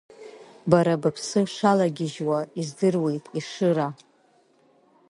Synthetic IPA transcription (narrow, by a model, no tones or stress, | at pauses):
baɾabapʰsɨʂalaɡʲɪʒwaizdɨrwejtʼiʂɨɾa